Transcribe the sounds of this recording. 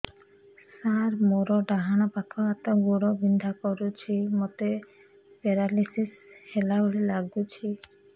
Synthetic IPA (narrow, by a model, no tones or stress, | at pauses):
saɾmoɾɔɖaɦañɔpakʰɔat̪ɔɡuɽɔbind̪ʱakɔɾut͡ʃʰimɔt̪e | peɾalisishelaboɭilaɡut͡ʃʰi